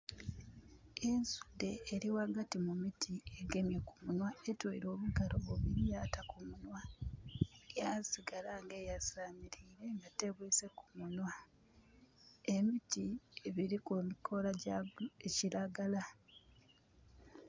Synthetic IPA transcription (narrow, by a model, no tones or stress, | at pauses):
e̞nsu̥de̞ːɾiwaɡatimumitʰie̞ɡe̞mjekumunwaetwoiɾo̞ːβuɡaloβuβiɾijatakumunwa | ejasiɡalaŋɡeːjasaːmiɾiːɾe̞ŋɡate̞βwiːse̞ku̥munwa | e̞mitieβiɾikumikʰo̞laeciɾaɡala